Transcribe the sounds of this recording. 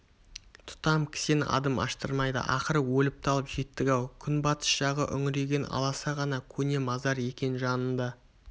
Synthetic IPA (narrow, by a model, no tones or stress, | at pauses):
t̪ʰʊ̥t̪ɑmkʲʰɪ̥senɑ̰d̪əmɑ̰ʃt̪ə̰ɾmɑjd̪ə̰ʔɑqəɾəwɵlɪp̚t̪ʰɑlˠəpʒe̞t̪ːɪɡʲɑwkʲʰʏnbɑt̪ə̥sʒɑʁəʔʏŋɾe̞ɡʲe̞nɑ̰lˠɑsɑʁɑnɑkʲʰɵne̞mɑzɑɾje̞kʲe̞nʒɑnənd̪ɑ